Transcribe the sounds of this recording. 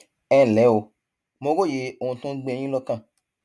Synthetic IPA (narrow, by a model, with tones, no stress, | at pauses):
ɛ˦˨lɛ˨˦o˨˧ | mõ˧ɡo˦˨je˨˦o˨ũ˧tũ˦ɡ͡bẽ˧˨j̃ĩ˦lɔ˧kã˦˨